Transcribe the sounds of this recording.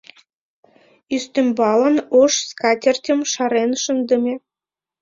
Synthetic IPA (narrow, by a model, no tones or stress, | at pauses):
yst̪embɑlɑnoʃskɑt̪ʲĕrʲt̪ʲĕmʃɑɾenʃə̆nd̪ɤ̆mʲe